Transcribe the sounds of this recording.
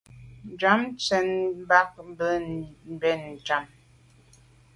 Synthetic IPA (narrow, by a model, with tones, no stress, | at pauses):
d͡ʒa˨˦mt͡sɛ˨n˦ba˦k̚bə˦m˨bɛ˦˨n˨d͡ʒa˨˦m